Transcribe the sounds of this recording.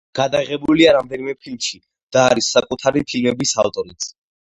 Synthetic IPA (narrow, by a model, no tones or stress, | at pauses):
ɡ̥ad̪aʁɛbuliaɾamd̪ɛnimɛpʰilmʃi | d̪̥aːɾisːakʼut̪ʰaɾipʰilmɛbisa̰vt̪ʼɔɾit̪s